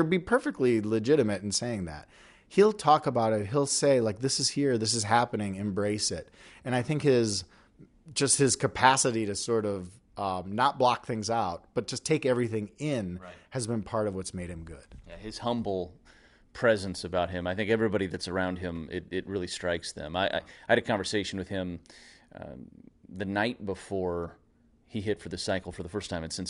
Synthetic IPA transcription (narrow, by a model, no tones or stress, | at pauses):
əbipʰɜ˞fɨk̚tˡlilɨd͡ʒɪɾɨmɨɾn̩seɪɪ̃ŋðæ̰t̚ | hilˠtʰɔkəbaʊɾɪt̚ɦilˠseɪlaɪk̚ðɪsɨz̥hiɹðɪs̬ɨz̥ɦæpɨnɪ̃ŋɨ̃mbɹeɪsɪt̚ | ɨ̃ñaɪθɪ̃ŋkhɪz | d͡ʒʌst̚hɨz̥kʰɨpʰæsɨɾiɾɨsɔɹɾʌv | ʌnət̚b̥lɑk̚θɪ̃ŋzaʊt̚b̥ʌt̚d̥ʒ̥ʌstʰeɪkɛvɹiθɪ̃ŋɪ̃nɨzbɨ̃npʰɑɹɾʌvwʌtsmeɪɾ̚hɨ̃mɡʊd̥ɨz̥hʌ̃mbl̩ˠ | pʰɹ̥ɛzɨ̃nsɨbaʊt̚ɦɨ̃maɪθɪ̃ŋkɛvɹibɑɾiðɨtsə˞ãʊ̃nd̚ɪ̃mɪ̰ɾɪt̚ɹɪlˠistɹ̥aɪksðɨ̰̃maɪʔa̰ɪaɪɨɾɨkʰɑ̃ɱvə˞seɪʃn̩wɨð̥ɪ̃m̰ | ðɨnaɪt̚b̥əfɔɹ | iɦɪtfə˞ðɨsaɪkl̩ˠfə˞ðəfɜ˞stʰãɪ̃mɨ̃nsɪ̃ns